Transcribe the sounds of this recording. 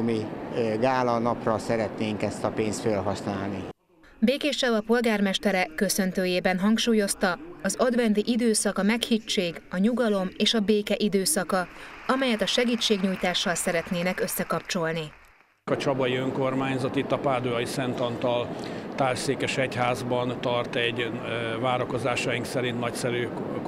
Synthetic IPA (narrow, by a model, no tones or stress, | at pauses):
miɡaːlɒnɒprɒsɛɾɛt̪neːŋkɛst̪ɒpeːnst̪følɦɒsnaːlni | beːkeːʃɛvɒpo̞lɡaːrmɛʃt̪ɛɾɛkkːø̞sø̞nt̪øːjeːbɛnɦɒŋkʃuːjo̞st̪ɒɒzɒd̪vɛnd̪iʔid̪øːsɒkɒmɛkhit͡ʃːeːɡɒɲuɡɒlo̞meːʃɒbeːkɛʔid̪øːsɒkɒɒmɛjɛt̪ɒʃɛɡiːt͡ʃːeːɡɲuːjt̪aːʃːɒlsɛɾɛt̪neːnɛkø̞sːɛkɒp̚t͡ʃo̞lni | kɒt͡ʃɒbɒjiøŋko̞rmaːɲzɒt̪it̪ːɒpaːd̪oɒjisɛnt̪ɒnt̪ɒlt̪aːlseːkɛʃɛchaːzbɒnt̪ɒrt̪ɛɟvaːɾɒko̞zaːʃɒjiŋksɛɾint̪nɒcsɛɾyː